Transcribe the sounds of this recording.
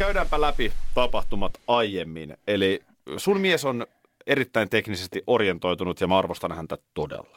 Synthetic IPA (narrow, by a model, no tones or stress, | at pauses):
kæydæːmpælæpit̪ɑpɑht̪umɑt̪ɑjjemːineli | sunmieson | e̞ɾit̪ːæint̪eknisest̪iʔo̞rje̞nt̪o̞jt̪unut̪jɑmæɑrʋost̪ɑnhænt̪æt̪odḛlːɑ̥